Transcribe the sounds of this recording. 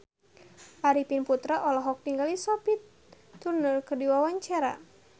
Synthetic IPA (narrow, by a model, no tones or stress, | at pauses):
ʔaɾipinput̪ɾaʔɔlɔɦɔk̚t̪iŋɡalisɔpit̪ː | urnərkərdiwawaɲt͡ʃaɾa̰